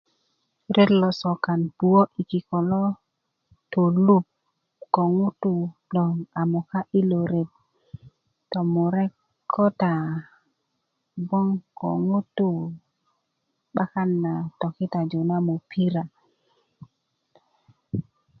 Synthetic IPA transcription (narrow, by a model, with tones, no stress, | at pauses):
ɾʔe˦tlɔ˨sɔ˨ka˨npu˨o˦ʔi˨ki˨kɔ˨lɔ˦ | to˨lu˦p̚ | kɔ˨ŋu˦tu˦˨dɔ˨ŋa˨mɔ˨ka˦ʔi˦lo˨ɾe˨t̚ | tɔ˨mu˨ɾɛ˦kʰː | ɔ˦ta˨ | bɔ˦ŋkɔ̰˨ŋu˦tu˦˨ | ba˦ka˦nːa˨tɔ˨kɪ˦ta˨d͡ʒo˨na˦mo˨pʰi˦ɾa˨